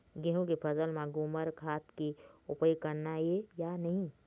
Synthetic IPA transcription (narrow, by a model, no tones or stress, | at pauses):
ɡẽɦõkepʰəzəlmãɡʊməɾkʰaːt̪keʊpəjkəɾnaɦejanəɦĩ